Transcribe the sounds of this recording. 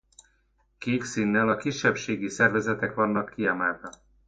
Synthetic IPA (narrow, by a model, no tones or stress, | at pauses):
keːksinːɛlɒkiʃːɛpʃeːɡisɛrvɛzɛt̪ɛkʋɒnːɒkʰːiamaːvɒ